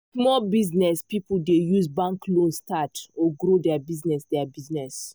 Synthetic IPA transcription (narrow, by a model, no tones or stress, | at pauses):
smɔbiznɛspipudejuzbãŋklõnstatoɡɾodɛabiznɛsdɛabiznɛs